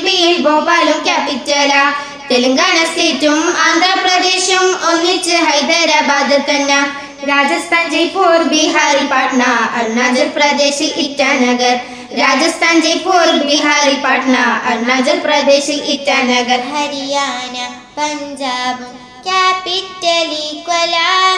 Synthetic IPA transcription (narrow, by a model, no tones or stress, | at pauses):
binboːpaːlumkʲaːpit̪̚t͡ʃala | t̪eləŋɡaːnasetumãːnd̪ʱɾəpɾɐd̪eːʃumoɦit͡ɕiɦɐjd̪ɐɾjabaːd̪ɐlk̪ɐnːa | ɾaːd͡ʒɐst̪ʰaːnd͡ʒepoːɾbʱiɦaːɾipaːʈʰnaɐ̰ɾnaːd͡ʒɐɾpɾɐd̪eːɕiʔitːt͡ʃʰanɐɡəɾ | ɾaːd͡zɐst̪ʰand͡ʑepoɾbiɦaːɾipaʈʰɳaɐɾnad͡zɐɾpɾɐd̪eːɕiʔitːanɐɡəɾɦɐɾjana | pɐɲd͡ʒaːb | kjapiʈːɐlikɐla